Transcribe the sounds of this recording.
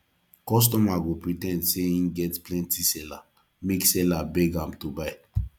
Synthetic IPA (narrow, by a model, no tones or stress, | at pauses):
kɔs̬tɔmaɡopɹitɛ̃ndseĩnɡɛtplɛ̃ntisɛla | meksɛlabɛɡãmtubaɪ